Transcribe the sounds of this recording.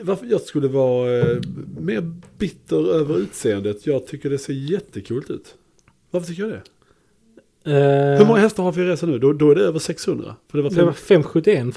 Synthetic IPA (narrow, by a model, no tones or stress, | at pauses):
vaɾfjɑːɡskɵlːəvɑː | meːɾbɪt̪ʰːəɾøːvəɾʉ̟ːt̪seːənd̪ət̪ʰjɑːɡ̚t̪ʰʏkːəɖɛseːɾjɛt̪ʰːəkʰuːlt̪ʉ̟ːt̪ | vaɾfət̪ʰʏkːəjɑɡd̪ɛ | hɵɾmɔŋːahɛft̪əɾhaɾvɪɾeːsanʉ̟ːd̪ɔd̪ɔæɖɛøːvəʂɛkshɵnd̪ɾa̰fəɖɛvaɾɛfɛmːɧɵt̪ːɪɛn